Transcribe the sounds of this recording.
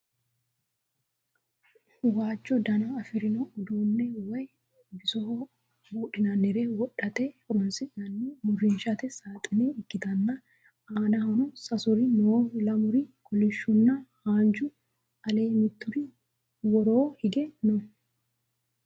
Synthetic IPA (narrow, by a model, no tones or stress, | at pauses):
waːt͡ʃːɔd̪ɐnɐːfɪɾɪnɔːd̪uːnːɛwɐj | bɪsɔho | buːɗɪnɐnːɛɾeːwɔɗːɐt̪ɛhɔɾɔnsɪnɐnːɛmʊrɪnʃɐt̪ɛsaːt̪ʼɪneɪkːɪt̪ɐnːɐ | aːnɐhɐnɔsɐsʊɾɪnolɐmʊɾɪkɔlɪʃːʊnːɐhaːnd͡ʒʊ | ɐle̞ːmɪt̪ːʊɾɪ | wɔɾoːhɪɡɛnɔ